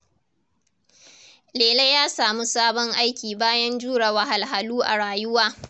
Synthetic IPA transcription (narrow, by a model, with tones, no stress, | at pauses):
leː˨le˦jaː˦saː˨mu˦saː˦bɔ˦ŋʔa˦jkʲiː˨baː˦jɐ˦nd͡ʒuː˦ɽa˨wa˦ɦa˨lɦa˨luː˦ʔa̰˨ɽaː˨jʊ˦waː˦